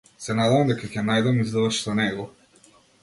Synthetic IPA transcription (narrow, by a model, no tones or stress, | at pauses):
sɛnad̪ɛvamd̪ɛkakʲɛnajd̪amizd̪vʃzɔnɛɡɔ